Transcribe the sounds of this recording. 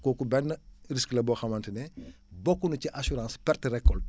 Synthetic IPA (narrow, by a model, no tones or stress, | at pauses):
kɔːkubɛnːəɾisklɐbɔːxɐmɐntənɛ | bɔkːunuciʔasuɾãːspɛrtrɛkːɔlt